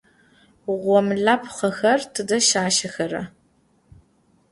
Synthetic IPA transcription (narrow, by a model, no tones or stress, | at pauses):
ʁʷɔmɮaːpʰχɐxɐrtʰɨdɐʃaːʃɐxɐɾɐ̰